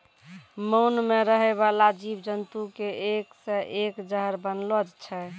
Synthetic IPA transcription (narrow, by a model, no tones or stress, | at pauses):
məwnmeɾəɦɛβalad͡ʒibd͡ʒənt̪ukeʔeksɛʔekd͡ʒəɦəɾbənlod͡ʒt͡ʃʰɛ